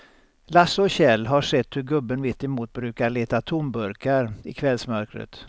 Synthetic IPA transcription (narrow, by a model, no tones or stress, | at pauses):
lasɔɕɛlːɦaʂɛt̪ːhɵɾɡɵbːənvɪt̪ːɛmuːt̪̚bɾʉ̟ːkaɭeːt̪at̪ʰʊmbɵɾkaɾɪ̰kʰvɛlsmœɾkɾə̰t̪